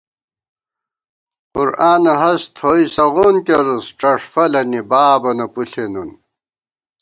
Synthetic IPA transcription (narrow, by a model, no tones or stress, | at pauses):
quɾaːnɐɦɐst̪ʰoːisɐɣoːnkeɾusʈ͡ʂɐʂfɐlɐnibaːbɐnɐpuɬʰenun